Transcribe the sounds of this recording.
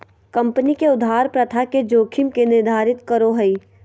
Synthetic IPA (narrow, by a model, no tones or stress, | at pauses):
kɐ̃mpənikeʊd̪ʱaːɾpɾɐt̪ʰaked͡ʒoːkʰɪmkenɪɾd̪ʱaːɾɪt̪kəɾoɦəiː